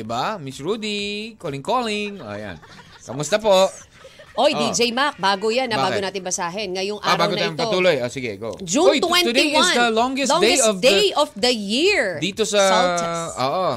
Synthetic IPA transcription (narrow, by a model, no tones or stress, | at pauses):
d̪ɪbamɪsɹud̪ikolɪŋkolɪŋʔo̰ja̰n | kɐmʊst̪ɐpoʔ | ʔoj̪id͡ʒejmak̚baːɡojanːɐbbaːɡonaːt̪ɪnbɐsaːɦɛnŋɐjoŋʔaaɾbaːɡot̪ɐamp̪pɐouːlojosɪɡɛɡo̰d͡ʒuwwɛnt̪ʊd̪ejɪsd̪ɐlɔŋɡɛsd̪eɔfd̪ejɔfd̪ɐjiɹd̪iːt̪osɐ | o̰ːʔo